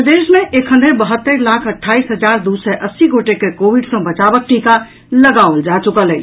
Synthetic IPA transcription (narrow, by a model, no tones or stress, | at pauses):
pd̪esmeʔekʰɦə̃nd̪ebəɦət̪ːəɾlakʰəʈʰːaisɦəd͡ʒaɾd̪usɛʔəsːiɡoʈekekobiɖsə̃bət͡ʃabək̚ʈika | ləɡaold͡ʒat͡ʃukələt͡ʃ